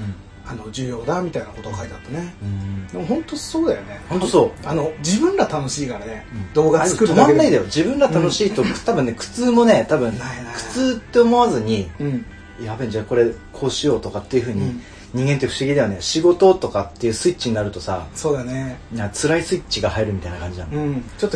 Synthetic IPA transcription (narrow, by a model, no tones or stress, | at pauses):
anod͡ʑɨːjo̞ːd̪amʲit̪ainako̞t̪okait̪at̪ːeneɯ̃d̪emohõ̞nt̪o̞soːd̪ajone̞hont̪oso̞ːanod͡ʑibɯ̟̃nɾat̪ano̞ɕiːkaɾaneɯ̃ɴd̪o̞ːɡaaɾeɨ̥kɯɾomanːaid̪ajod͡ʑibɯ̟̃ɾat̪ano̞ɕiːt̪ot̪abɯ̟nːekɯ̟̥t͡sɨːmo̞ne̞t̪abɯ̟̃ŋkʰɯ̟̥t͡sɨːt̪ːe̞omo̞βazɨɲ̟iɯ̃ | jabẽɲd͡ʑako̞ɾe̞kʰo̞ːɕijo̞ːt̪o̞kat̪ːe̞iɯ̟ɸɯ̟ːɲ̟i | ɲ̟ĩŋɡe̞nt̪eɸɯ̟ɕiɡʲid̪eane̞ɕiɡo̞t̪o̞t̪o̞kat̪ːe̞jɯ̟ːsɨit͡ɕiɲ̟naɾɯ̟t̪o̞sa̰so̞ːd̪anenãt͡sɨɾaisɨit͡ɕiɡahaiɾɯ̟mʲit̪ainakãɲ̟d͡ʑinã̰nɯ̃t͡ɕot̪ːo